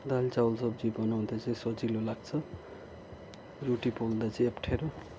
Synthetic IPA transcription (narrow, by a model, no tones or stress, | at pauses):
d̪alt͡sawlsʌbd͡zibʌnaw̃d̪ʰot͡sʌĩsʌt͡silolaɡ̚t͡sʰʌ | ruʈipold̪at͡sʌĩʌpʈʰeɾo